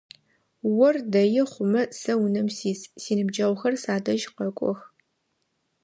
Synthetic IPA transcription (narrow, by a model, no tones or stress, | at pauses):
wɔrdɐjɪχʷʊmɐsɐwʊnɐmsiːssiːnɨbd͡ʒɐʁʷxɐrsaːdɐʒqɐkʷʼɔ̰x